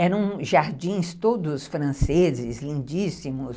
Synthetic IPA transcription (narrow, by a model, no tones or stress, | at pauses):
ɛɾɐ̃w̃ʒaɾd͡ʒĩj̃st̪od̪ʊsfɾɐ̃sezɪslĩnd͡ʒisimʊs